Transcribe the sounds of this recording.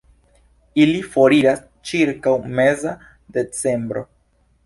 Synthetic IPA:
ilifo̞ɾiɾas | t͡ʃiɾkawme̞za | de̞t͡se̞mbɾo̞

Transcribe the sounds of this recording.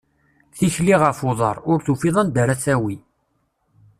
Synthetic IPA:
θiçliʁəfʊðˤɑɾˤʊɾθufiðˤænd̪əɾæsæwi

